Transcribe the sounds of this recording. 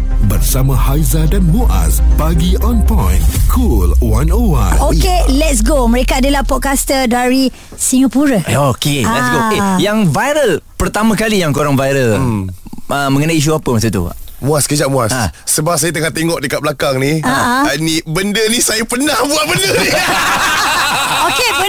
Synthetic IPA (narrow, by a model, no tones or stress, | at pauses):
bərsamãhajzadanmuʔa̰sbaɡiɔ̃npãjnkʰulwãnowã̰nokelɛt̚s̬ɡoməɾekaːdalahpɔt̚kast̪ədaɾi | siŋapuɾəokelɛtsɡokejaŋvajɾəlpərt̪amãkalijaŋkoɾaŋvajɾəl | əmə̃ŋənaiiʃ̬uapəmas̬at̪ṵmũaskəd͡ʒaʔmũassasəbap̚sajat̪əŋaht̪eŋɔʔdəkat̪̚bəlakaŋniaaanibəndənisajəpənahbuanbəndə | oke